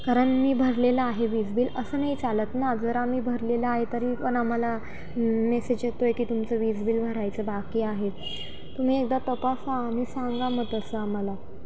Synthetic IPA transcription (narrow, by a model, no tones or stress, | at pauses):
kaɾəɳmiːbʱəɾleləaɦeʋid͡zbiːləsəːnəit͡salət̪nad͡zəɾamiːbʱəɾleləaɦet̪əɾiːpəɳam̤ala | mesed͡ʑet̪ojkiːt̪umt͡səʋid͡zbiːlbʱəɾajt͡səbakiːaɦe | t̪um̤iːek̚d̪at̪əpasam̤iːsãŋɡamət̪əsəaməla